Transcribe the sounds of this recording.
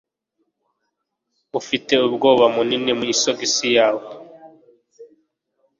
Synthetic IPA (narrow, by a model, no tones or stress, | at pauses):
ufite̞ubɡo̞ːβamuninimuisoɡisijaːwo